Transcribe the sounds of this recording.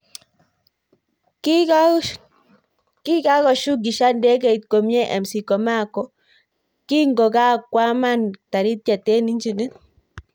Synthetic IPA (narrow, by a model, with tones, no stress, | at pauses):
ki˦ka˦kɔ˨ʃu˦ɡi˨ʃa˦ndɛ˦ɡa˦˨i˨t̪ko˨mjɛ˦ʔa˨msi˨kɔ˨ma˦kɔ˨ | ki˦ŋɡo˨ɡa˦kwa˦ma˦˨nta˨ɾi˦t̪̚ja˨tɛ˦ni˦ɲd͡ʒi˨ni˦t̪̚